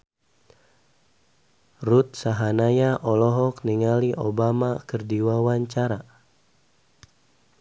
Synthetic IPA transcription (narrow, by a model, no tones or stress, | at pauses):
rut̪̚saɦanajaʔɔlɔɦɔk̚niŋaliʔobamakərdiwawaɲt͡ʃaɾa